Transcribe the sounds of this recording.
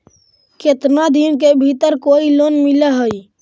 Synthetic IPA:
ket̪nad̪iːnk̬ebʱit̪əɾkoːiloːnmɪləɦoi

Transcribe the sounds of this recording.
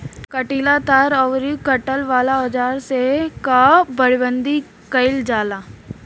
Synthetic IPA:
kəʈiːlat̪aːɾɔʋɾikəʈəlʋaːlaɔd͡ʒaːɾsekabɐɽibə̃nd̪i | kɐɪld͡ʒaːlaː

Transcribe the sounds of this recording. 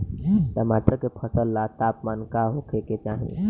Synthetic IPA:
t̪əmat̪ɾəkepʰəsəlːat̪apmankaɦokʰeket͡ʃaɦḭ̃

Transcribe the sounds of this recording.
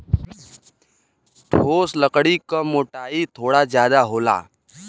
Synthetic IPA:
ʈʰoːsləkɽikamoːʈaːit̪ʰoːɽazjaːd̪aɦoːla̰ː

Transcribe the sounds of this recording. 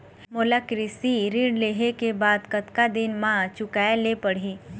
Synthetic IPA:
molakɾɪsiɾɪ̃ɳleːɦekebaːd̪kət̪kad̪ɪnmãt͡ʃʊkaːelepəɽ̤iː

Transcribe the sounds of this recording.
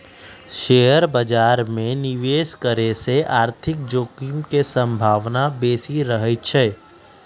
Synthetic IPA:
ʃeːjəɾbəd͡ʒaːɾmẽnɪʋeːskəɾeseʔaːɾt̪ʰɪk̚d͡ʒoːkimkesə̃mbʱaːʋnabeːsiɾəɦət͡ʃʰɛː

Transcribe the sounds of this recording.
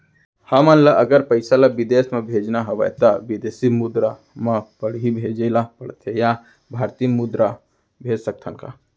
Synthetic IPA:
həmənlaʔəɡəɾpəɪsalabid̪esmebʱed͡ʒnaɦəʋə̰t̪abid̪esimud̪ɾa | mepəɽ̤ɦibʱed͡ʒəlapəɽt̪ʰeja | bʱaɾt̪imud̪ɾa | bʱed͡ʒsək̚t̪ʰənka̰

